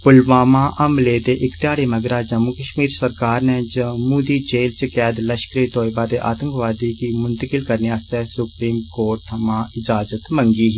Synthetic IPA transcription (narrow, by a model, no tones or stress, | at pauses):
pʊlʋaːmãːʔʔəmleːt̪eːʔɪkt̪jaːɽeːməɡɾaːd͡ʒəmukəʃmiːɾsəɾkaːɾnɛ̃ːd͡ʒəmuːd̪iːd͡ʒeːlt͡ʃkɛːd̪ləʃkɾeːt̪oːibaːt̪eːʔa̰ːt̪əŋkʋaːd̪iːkiːmʊnt̪əkɪlkəɾniaːst̪ɛːsʊpɾiːmkoːɾʈt̪ʰəmãːɪd͡ʒaːzət̪məŋɡiːɦː